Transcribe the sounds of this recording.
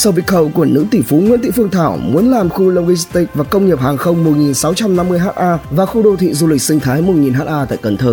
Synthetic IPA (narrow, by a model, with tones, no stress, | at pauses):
sə˧wvi˧˩˥k̚xə̰˧˨wku˧˩ənɨ̰˧˥t̪i˧˩fu˨˦ŋwḭ˧˥t̪ḭ˧˨fɨ˧əŋt̪ʰaː˧˩wmu˨˦ənlaː˨˩mxu˧lə˧wɣi˧st̪i˦˥˩k̚vaː˨˩kə˧wŋ͡mɲi˨˩p̚haː˨˩ŋxə˧wŋ͡mmʊ˨˩t̚ŋi˨˩nsa˨˦wt͡ɕa˧mna˧mːɨ˧əjɦaː˦˥t̚ʔaː˧vaː˨˩xu˧ɗo˧˩t̪ʰḭ˧˨zu˧lï˨˩k̚sï˧ŋ̟t̪ʰaː˨˦jmʊ˨˩t̚ŋi˨˩nɦaː˦˥t̚ʔaː˧t̪a̰ː˧˨jkə˨˩nt̪ʰəː˨˧˩